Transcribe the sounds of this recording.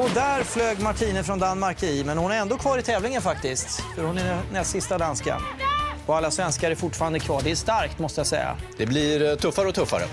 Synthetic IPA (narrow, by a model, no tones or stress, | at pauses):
ɔd̪æɾfløːɡmaʈʰiːnəfɾɔnd̪anːmaɾkɪmɛnhʊnæɾɛnd̪oːkʰvɑːɾɪt̪ʰɛːvlɪŋənfakt̪ɪst̪fœɾhʊnæɛnɛsɪst̪ad̪anska̰ɔalːasvɛnskaɾæɾfʊʈːfɑːɾand̪əkʰvɑːɖɛæʂt̪aɾkt̪mɔst̪əjasɛ̰jːa̰d̪ɛblɪɾt̪ʰɵfːaɾəɔt̪ʰɵfːa̰ɾə̰